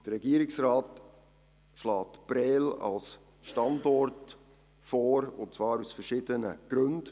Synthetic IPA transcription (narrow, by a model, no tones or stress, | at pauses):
d̥əɾɛɡiːəɾɪksraːt | ʃlɑːtb̥ɾɛːlɑ̰ls | ʃtɑndɔrt | fɔːɾʊnt͡svɑːɾusfərʃɪd̥ənə̰ɡ̥ɾɵnd